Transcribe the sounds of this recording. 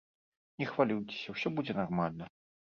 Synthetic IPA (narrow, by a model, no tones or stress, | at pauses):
nʲɛxvalʲijt͡sʲɪ̥sʲɐwsʲɔbud͡zʲɛnarmalʲnɐ